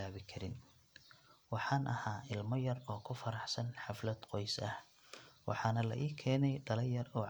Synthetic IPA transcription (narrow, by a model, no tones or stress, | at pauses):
aːβɪkʰɐɾɪn | wɑħɑːnʔɐhaːʔɪlmɐjɐrɔːkʰʊfɐɾɑħsɐnħɑflɐd̪qɔjsɐh | wʔɑ̰ħɑːnɐlɐ̰ʔiːkʰɛːnɛjɖɐlɛjɐrɔː